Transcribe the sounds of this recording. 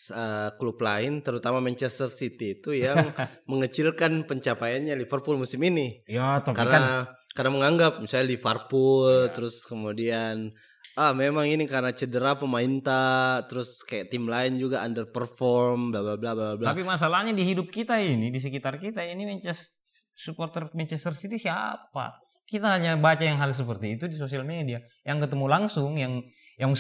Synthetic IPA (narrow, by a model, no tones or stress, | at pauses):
əkluplaɪnt̪əɾut̪amamɛɲt͡ʃɛst̪ərsit̪iːt̪ujaaŋməŋət͡ʃɪlkanpəɲt͡ʃapajanɲalifərpʊlmusɪminijat̪akarnakarnaməŋaŋɡap̚misaalifərpult̪əɾʊskəmudian | ahmemaŋinikarənat͡ʃədəɾapəmaint̪at̪əɾʊskajat̪imlaind͡ʒuɡaandərpərfɔrmblablablablabablat̪apimas̬alahɲadiɦidʊp̚kit̪ainidis̬əkit̪arkit̪ainimɛɲt͡ʃɛs | supɔrt̪ɛrmɛɲt͡ʃɛst̪ərsit̪isia̰pa̰ | kit̪aɦaɲabat͡ʃajaŋɦals̬əpərt̪iːt̪udis̬osialmedia | jaŋkət̪əmulaŋsʊŋjaŋ | jaŋ